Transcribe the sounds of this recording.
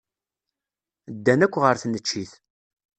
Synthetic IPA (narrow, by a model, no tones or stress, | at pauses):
d̪ːænækʷːʁəɾθnət͡ʃːiθ